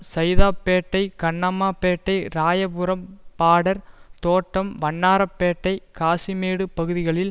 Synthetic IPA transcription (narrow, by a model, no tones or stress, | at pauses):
sɐjðaːpːeːʈːɐɪkɐɳːɐmaːpːeːʈːɐɪɾaːjɐpɯɾɐmpaːɽɐɾt̪oːʈːɐmʋɐɳːaːɾɐpːeːʈːɐɪkaːsimeːɽɯpɐɣɯðɪɣɐɭɪl